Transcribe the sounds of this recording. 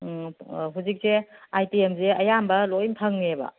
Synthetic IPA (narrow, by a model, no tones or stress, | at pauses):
ɦuzik̚seajpiemzeɐjambɐlojmtʰɐŋnebɐ̰